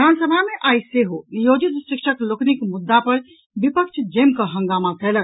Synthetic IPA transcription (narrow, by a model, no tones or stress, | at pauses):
bid̪ʱansəbʱameʔajseɦojod͡ʒit̪sikʃʰəkloknikmud̪ːapəɾ | bipək̚t͡ʃʰd͡ʒemkəɦə̃ŋɡamat̪ʰɛlək